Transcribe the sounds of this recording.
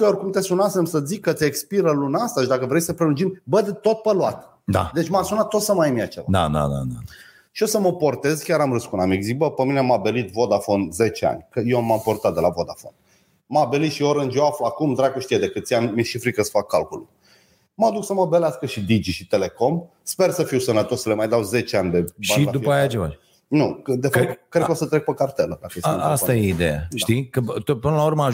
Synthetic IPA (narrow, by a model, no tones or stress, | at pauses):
orkumt̪e̞sunasemsəzikkːət̪sʲekspiɾəlunast̪aʃid̪akəvɾejsəpɾelund͡ʒimbəd̪et̪o̞t̪̚pəluat̪ | d̪a̰d̪e̞t͡ʃʲmasunatt̪ːo̞t̪səmajəmiat͡ʃevad̪a̰d̪a̰d̪a̰d̪a | ʃio̞səməpo̞rt̪e̞zkʲaɾamɾɨskunamikzik̚bəpəmineamabe̞lit̪vo̞d̪afo̞nze̞t͡ʃea̰nʲkəjeamampo̞rt̪at̪̚d̪e̞lavo̞d̪afo̞̰n | mabe̞lit̪ʃioɾɨnd͡ʒjeafluakumd̪ɾakuʃt̪ied̪e̞kɨt̪siammiʃifɾikəsə̥fakːalkulu | mad̪uksəməbeleaskəʃid̪id͡ʒiʃit̪e̞le̞ko̞m | spe̞rsəfiwsənət̪o̞ssəle̞majd̪awze̞t͡ʃeanʲd̪e̞bʃbanilad̪upajat͡ʃeva̰ | nukəd̪efap̚kːɾekəosət̪ɾe̞k̚pəkart̪eləd̪akəjesast̪ajeid̪eja̰ʃt̪ikət̪opɨnəlaurməa